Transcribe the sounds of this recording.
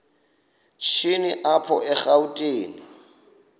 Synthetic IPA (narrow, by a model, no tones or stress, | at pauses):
t͡ʃʰiniʔapʰɔ̰ʔɛχautʼeːni